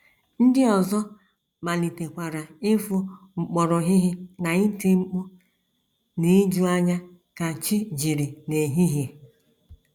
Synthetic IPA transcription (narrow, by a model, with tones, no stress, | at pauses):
n̩˦dɪ˦ɔ˨zɔ˦ | ma˨li˨te˨kʷa˨ɾa˨ɪ˦fʊ˦ | ŋ͡m̩˨k͡pɔ˨ɾɔ˨ɦɪ˦ɦɪ˦na˨ɪ˦te˦ŋ͡m̩˦k͡pu˦ | ne˦d͡ʒu˦a˦ɲa˦ | ka˨t͡ʃɪ˦d͡ʒi˨ɾi˨ne˨ɦi˦ɦi˨